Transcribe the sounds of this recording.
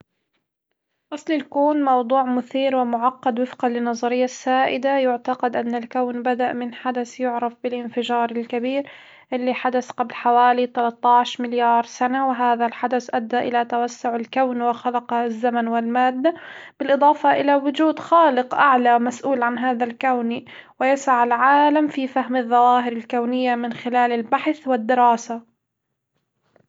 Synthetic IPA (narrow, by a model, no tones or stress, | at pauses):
ʔɑsˤlɪlkuːnmɑwd̪ˤuːʕmʊθiːɾwɪmʊʕɑqːɑd̪wɪfqɑlɪnːɑzˤɑɾɪjːasːaːʔɪd̪ajʊʕt̪ɑqɑd̪ʔanːalkawnbad̪aʔmɪnħad̪asjʊʕɾˤɑfbɪlʔɪnfɪʒɑːɾˤɪlkabiːɾ | ʔɪlːiħad̪asqablħawaːlit̪alɑt̪ˤːɑʕʃmɪljɑːɾˤsanawɪɦaːðalħad̪asʔad̪ːaʔɪlat̪awasːʊʕalkawnwɪxalɑqzːamanwɪlmaːd̪ːab̥ɪlʔɨd̪ˤɑːfɑʔɪlawʊd͡ʒuːd̪xaːlɪqʔaʕlamasʔuːlʕanɦaːðalkawni | wɪjasaʕalʕaːlamfifahmɪðˤːɑwaːɦɪɾɪlkawnɪjːamɪnxɪlaːlɪlbaħθwɪd̪ːɪɾɑːsa